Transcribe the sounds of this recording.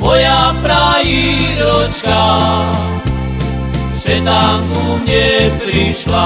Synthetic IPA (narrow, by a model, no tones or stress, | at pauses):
mɔjapɾajiɾɔt͡ʃka | sɛt̪akumɲɛpɾiʃla